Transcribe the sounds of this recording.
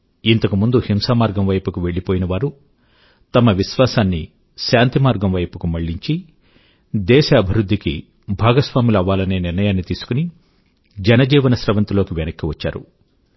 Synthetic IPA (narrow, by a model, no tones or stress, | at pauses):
int̪ɐkumund̪uhimsaːmaːɾɡɐmʋɐjpukuʋe̞ɭːipo̞ːjinɐʋaːɾu | t̪ɐmɐʋiʃʋaːsaːnːi | ʃaːnt̪imaːɾɡɐmʋɐjpukumɐɭːiɲt͡ʃi | d̪ɛːʃɐːbʱiɾud̪ʱːiki | bʱaːɡɐsʋaːmilɐʋaːlɐne̞ːniɾnɐjaːnːit̪iːsu̥kuni | d͡ʒɛnɐd͡ʒiːʋɐnɐsɾɐʋɐnt̪ilo̞ːkiʋenɐkːiʋɐt͡ʃːa̰ːɾṵ